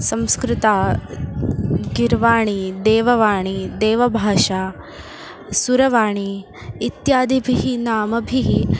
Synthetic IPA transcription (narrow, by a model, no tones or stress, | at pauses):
sɐ̃mskɾɪt̪aː | ɡiɾʋaːɳ̃id̪eːʋɐʋaːɳid̪eːʋɐbʱaːʃaː | suɾɐʋaːɳiː | t̪jaːd̪ibʱiɦinaːmɐbʱiɦi